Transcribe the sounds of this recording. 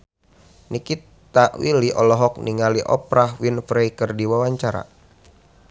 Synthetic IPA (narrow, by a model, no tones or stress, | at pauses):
nikit̪aʔwiliʔɔlɔɦɔk̚niŋaliʔɔ̰pɾaɦwinfɾekərdiwawaɲt͡ʃaɾa̰